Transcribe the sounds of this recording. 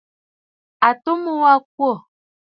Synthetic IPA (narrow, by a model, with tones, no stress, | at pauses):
a˨to˦mo˦wa˦k̚wo˦˨